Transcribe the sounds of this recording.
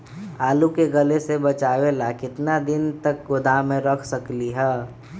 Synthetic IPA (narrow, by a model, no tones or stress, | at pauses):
aːlukeɡəlesebɐt͡ʃaːwelakɪt̪nad̪ɪnt̪ək̚ɡʊd̪amẽɾəkʰsəkliɦɛː